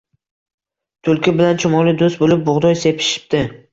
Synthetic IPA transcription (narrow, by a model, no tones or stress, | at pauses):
t̪ʰʊlˠkʲɪbɪlant͡ʃʰʊmɒlɪd̪ost̪bolɪp̚bʊʁd̪ɒjse̞pʰɪ̥ʃɪ̥p̚t̪ɪ